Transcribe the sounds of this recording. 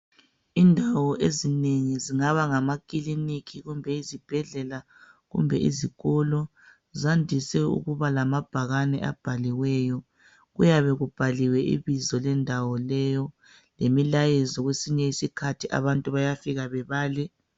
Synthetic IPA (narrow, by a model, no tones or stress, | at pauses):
indʱawɔʔezineŋiziŋaβaŋamakʼilinikʰiɣumbʱɛizib̥ʱɛɮɛla | ɣṵmbʱɛḭziɣɔlɔ | zandʱisɛṵɣuβalamab̥ʱaɣanɛ̰ʔa̰b̥ʱaliwɛːjɔ | ɣujaβɛɣub̥ʱaliwɛʔḭβizɔlɛndʱawɔlɛjɔ | lemilajɛzɔɣwesiɲɛisikʰatʰiʔa̰βantʼuβajafiɣaβɛβaːlɛ